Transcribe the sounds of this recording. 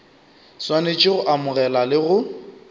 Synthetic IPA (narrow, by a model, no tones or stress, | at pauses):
swanet͡ʃʼɪɣʊʔamʊɣɛlalɪɣʊ